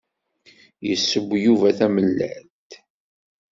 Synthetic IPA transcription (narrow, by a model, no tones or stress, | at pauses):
jəsːəbʷːjuvæθæməlːæ̰ɾ | t̪